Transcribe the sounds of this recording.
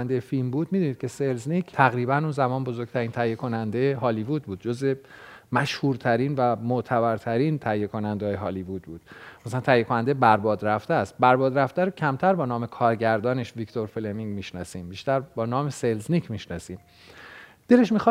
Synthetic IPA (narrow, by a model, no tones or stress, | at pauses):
nd̪ejefilmbuːd̪miːd̪uniːd̪̚cʰe̞selznicʰt̪ʰæɣɾiːbænunzæmɒːnbozoɾɡ̚t̪ʰæɾiːnt̪ʰæjːekʰo̞nænd̪ejeɦɒːlivud̪̚buːd̪̥̚d͡ʒozemæʃhuːɾt̪ʰæɾiːnvæmoʔt̪ʰæbæɾt̪ʰæɾiːnt̪ʰæjːekʰo̞nænd̪eɒːjeɦɒːlivud̪̚buːd̪̥mæsælænt̪ʰæjːekʰo̞nænd̪ebæɾbɒːd̪ɾæft̪eæst̪̚bæɾbɒːd̪ɾæft̪æɾocʰæmt̪ʰæɾbɒːnɒːmekʰɒːɾɟæɾd̪ɒːneʃvikt̪ʰo̞ɾfelemiŋmiʃnɒːsiːmbiːʃt̪æɾbɒːnɒːmeselznicʰmiʃnɒsiːm | d̪e̞le̞ʃmixɒ